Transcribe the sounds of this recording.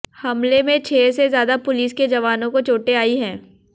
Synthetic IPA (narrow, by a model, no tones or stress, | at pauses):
hɐmlemẽt͡ʃʰeːsezjaːd̪apʊliːsked͡ʒɐʋaːnõkot͡ʃoːʈeaːiɦɛ̃ː